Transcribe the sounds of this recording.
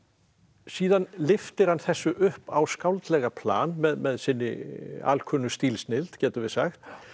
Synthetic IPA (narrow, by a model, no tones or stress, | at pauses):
siːðanlɪft̪ɪɾ̥hanθɛsːʏʔʏhpawskawlt̪lɛɣapʰla̰ːnmɛðmɛðsɪnːɪ̰a̰lkʰœnʏst̪iːlsnɪlt̪cɛːt̪ʏvɪðsaxt̪